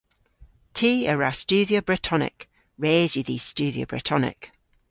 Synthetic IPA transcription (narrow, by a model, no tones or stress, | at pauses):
tʰiːəɹast͡ʃʉːðiobɹɪtʰɒnɪ̰k | ɹeːzjəði̥st͡ʃʉːðio̰bɹɪ̰tʰɒnɪ̰k